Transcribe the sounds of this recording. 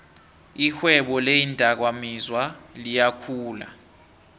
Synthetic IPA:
ixwɛɓɔlejindʼʱak̬wamizwalijakʰuːla̰

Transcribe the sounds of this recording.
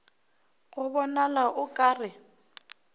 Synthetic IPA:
ɣʊβɔnalaʔʊkʼaːrɪ

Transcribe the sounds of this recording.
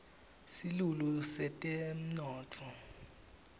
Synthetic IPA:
silulusɛtʼem̩nɔːtʰɔ

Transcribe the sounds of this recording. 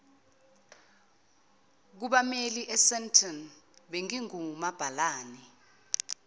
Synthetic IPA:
k̬uɓameliʔɛsɛntʰɔnɓeŋiŋumab̥ʱalaːni

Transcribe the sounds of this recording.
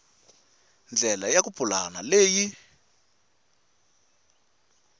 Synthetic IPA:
nd͡ɮʱɛlajak̬upʰulanaleːji

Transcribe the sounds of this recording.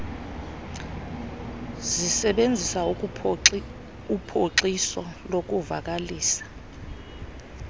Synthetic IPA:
zisɛɓend͡zʱisa | upʰoǀisɔlok̬uva̰k̬aliːsḁ

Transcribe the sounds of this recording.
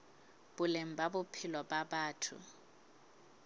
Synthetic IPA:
b̥ʊlem̩babʊpʰɪlɔbabaːtʰʊ̰

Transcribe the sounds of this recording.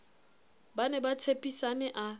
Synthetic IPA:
banɛbat͡sʰepʼisanɛʔa

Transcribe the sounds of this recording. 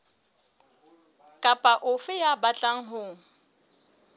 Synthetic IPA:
kʼapʼaʔʊfɪjabat͡ɬʼaŋ̩ɦʊ

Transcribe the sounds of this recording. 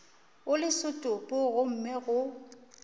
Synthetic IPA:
ʊlɪsʊtʼʊpʼʊɣʊm̩mɛɣʊ

